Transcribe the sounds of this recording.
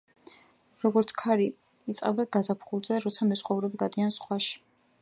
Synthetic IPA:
ɾɔɡɔɾt̪sʰkʰaɾi | it̪sʼqʼɛbaɡazapʰχulˠzɛɾɔt̪sʰamɛsχʼauɾɛbiɡad̪iansχʼwaʃi̥

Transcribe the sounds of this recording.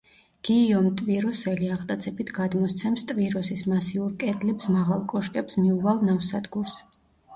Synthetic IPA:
ɡ̥iːɔmt̪ʼviɾɔsɛliaʁt̪ʼat̪sʰɛpit̪ʰɡad̪mɔst̪sʰɛmst̪ʼviɾɔsismasiuɾkʼɛd̪lɛpsmaʁalˠkʼɔʃkʼɛpsmiuvalˠnafsad̪ɡuɾs

